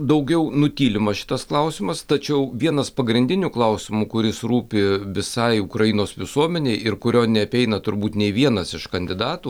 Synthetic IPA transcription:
d̪ɐʊɡʲɛʊnʊt̪ʲiːlʲɪmɐʃʲɪ̥t̪ɐsklˠɐʊsʲɪmɐst̪ɐt͡ʃʲɛʊʋʲiɛnɐspɐɡɾʲɪnʲd̪ʲɪnʲuːklˠɐʊsʲɪmukʊɾʲɪsɾuːpʲɪʋʲɪsɐɪʊkɾɐjɪnoːsʋʲɪsuɔmʲɛnʲeɪɪrkʊɾʲoːnʲɛɐpʲɛɪnɐt̪ʊɾbuːt̪nʲɛɪʋʲiɛnɐsɪʃkɐnʲd̪ʲɪd̪ɑːt̪uː

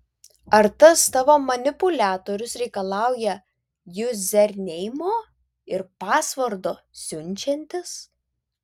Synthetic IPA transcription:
ɐɾt̪ɐst̪ɑːʋoːmɐnʲɪpʊlʲæːt̪oːɾʲʊsɾʲɛɪkɐlˠɑˑʊjɛ | jʊzʲɛɾʲnʲɛɪmoː | ɪɾpɑːsʋɐɾd̪oː | sʲʊnʲt͡ʃʲɛnʲt̪ʲɪs

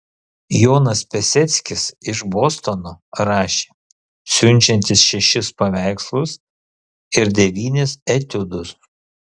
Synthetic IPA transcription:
joːnɐspʲɛsʲɛt̪sʲkʲɪsɪʃboːst̪ɔnoːɾɑːʃʲeː | sʲʊnʲt͡ʃʲɛnʲt̪ʲɪsʃʲɛʃʲɪspɐʋʲæˑɪkslˠʊs | ɪɾd̪ʲɛʋʲiːnʲɪsɛt̪ʲʊd̪ʊs

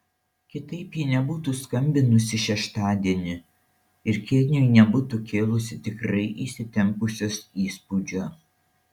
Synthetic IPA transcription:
kʲɪt̪ɐɪpjiːnʲɛbuːt̪uːskɐmʲbʲɪnʊsʲɪʃʲɛʃt̪ɑːd̪ʲiɛnʲɪ | ɪɾkʲɪlʲnʲojnʲɛbʊt̪ukʲeːlˠʊsʲɪt̪ʲɪkɾɐɪʔisʲɪt̪ʲɛmpʊsʲoːsiːspud͡ʒʲoː

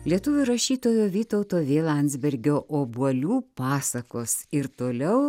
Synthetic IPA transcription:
lʲiɛt̪ʊʋʲʊɾɐʃʲiːt̪oːjoːʋʲiːt̪ɐʊt̪oːʋʲeːlˠɐnʲzʲbʲɛɾʲɡʲoːʔoːbuɔlʲuːpɑːsɐkoːsɪɾt̪oːlʲɛʊ

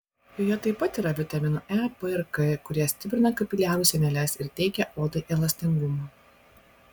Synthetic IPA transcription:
joːjɛt̪ɐɪpːɐt̪iːɾɐʋʲɪt̪ʲɐmʲɪnoːʔæpɨɛɾkɛkʊɾʲiɛsʲt̪ʲɪpʲɾʲɪnɐkɐpʲɪlʲæːʋʊsʲɛnʲɛlʲɛsʲɪɾt̪ʲɛɪkʲɛʔoːd̪ɐɪʔɛlˠɐsʲt̪ʲɪŋɡʊmu

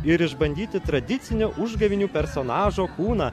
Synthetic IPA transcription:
ɪɾɪʒbɐnʲd̪ʲiːt̪ʲɪt̪ɾɐd̪ʲɪt̪sʲɪnʲoʔʊʒɡɐʋʲɪnʲuːpʲɛɾsoːnɑːʒoːkuːnɐː

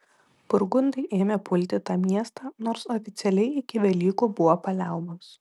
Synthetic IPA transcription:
pʊɾɡʊnd̪ɐɪʔeːmʲepʊlʲt̪ʲɪt̪ɑːmʲiɛst̪ɑːnoːɾsoːfʲɪt̪sʲɛlʲɛɪɪkʲɪʋʲɛlʲiːkuːbʊʋoːpɐlʲæˑʊmɐs

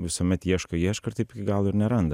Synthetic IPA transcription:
vəsəmɛt̪jɛʃkəjɛʃkəɾt̪ipikɡalˠuɾnɛɾɛnd̪ə

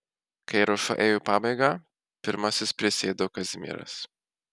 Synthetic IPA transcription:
kɐɪɾoʃɐ̰ʔeːjuːpɑːbɐɪɡɑ | pʲɪɾmɐsʲɪspʲɾʲɪsʲeːd̪okɐzʲmʲḭːɾɐ̰s

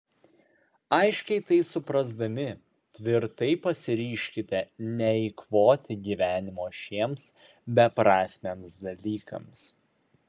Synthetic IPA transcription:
ɐɪʃʲkʲɛɪt̪ɐɪsʊpɾɐzd̪ɐmʲɪ | t̪ʲʋʲɪɾt̪ɐɪpɐsʲɪɾʲiːʃʲkʲɪt̪ʲɛnʲɛiːkʋoːt̪ʲɪɡʲiːʋʲæːnʲɪmoːʃʲiɛmsbʲɛpɾɑːsʲmʲeːmsd̪ɐlʲiːkɐ̰ms

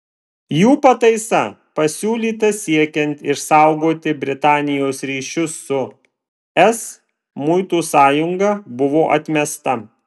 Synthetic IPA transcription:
juːpɐt̪ɐɪsɐ | pɐsʲuːlʲiːt̪ɐsʲiɛkʲɛnʲt̪ɪʃsɑˑʊɡoːt̪ʲɪbʲɾʲɪt̪ɑːnʲɪjoːsɾʲiːʃʲʊsːʊ | ɛs | mʊɪt̪uːsɑːjʊŋɡɐbʊʋoːʔɐt̪ʲmʲɛst̪ɐ

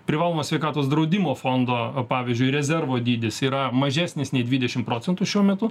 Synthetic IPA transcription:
pʲɾʲɪʋɑːlˠoːmɐsʲɛɪkɑːt̪oːs̬d̪ɾɐʊd̪ʲimoːfoːnd̪oːpɑːʋʲɪzʲd͡ʒʲʊɪɾʲɛzʲɛrʋoːd̪ʲiːd̪ʲɪsiːɾɐmɐʒʲæːsʲnʲɪsnʲɛɪd̪ʲʋʲiːd̪ʲɛʃʲɪmpɾoːt͡ssʲɛnt̪ʊʃʲuɔmʲɛt̪ʊ

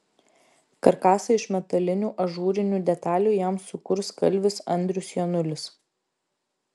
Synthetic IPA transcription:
kɐɾkɑːsɐɪʃmʲɛt̪ɐlʲɪnʲuːʔɐʒuːɾʲɪnʲuːd̪ʲɛt̪ɑːlʲuːjɛˑmsʊkʊɾskɐ̰lʲʋʲɪsɐ̰nʲd̪ʲɾʲʊsjɛnʊlʲɪs

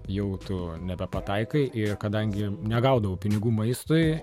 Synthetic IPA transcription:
jɛʊt̪ʊnʲɛbʲɛpɐt̪ɐɪkɐɪʔɪrkɐd̪ɐŋʲɡʲɪnʲɛɡɐʊd̪ɐʋoːpʲɪnʲɪɡuːmɐɪst̪ʊj

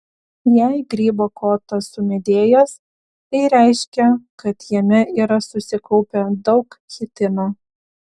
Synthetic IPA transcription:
jæɪɡɾʲiːbokoːt̪ɐsʊmʲɛd̪ʲeːjos | t̪ɐɪɾʲæɪʃʲkʲɛkɐt̪jɛmʲɛʔiːɾɐsʊsʲɪkɔʊpʲɛd̪ɒʊkxʲɪt̪ʲɪnoː

